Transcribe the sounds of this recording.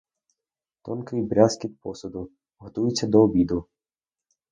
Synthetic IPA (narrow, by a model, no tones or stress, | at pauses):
t̪ɔnkɪjbɾʲaskʲɪt̪̚pɔsɐd̪ʊ | ɦɔt̪ujɪt͡sʲːɐd̪ɔːbʲid̪ʊ